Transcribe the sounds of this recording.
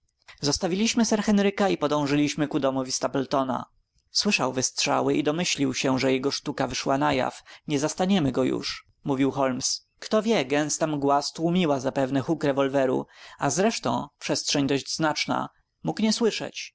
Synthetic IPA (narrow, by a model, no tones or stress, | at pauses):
zɔst̪avʲilʲiɕmɘsɛɾxɛnɾɘkaipɔd̪ɔ̃w̃ʐɘlʲiɕmɘkud̪ɔmɔvʲist̪apɛlt̪ɔna̰ | swɘʂawvɘstʂa̰wɘʔid̪ɔmɘɕlʲiwɕɛʐɛjɛɡɔʂt̪ukavɘʂwanaja̰fɲɛzast̪aɲɛmɘɡɔjṵʂ | muvʲiwxɔlms | kt̪ɔvʲjɛɡɛnst̪amɡwast̪wumʲiwazapɛvnɛxukɾɛvɔlvɛɾṵazɾɛʂt̪ɔ̰̃w̃pʂɛst̪ʂɛɲd̪ɔʑd͡ʑznat͡ʂna̰ | mukɲɛswɘʂɛ̰t͡ɕ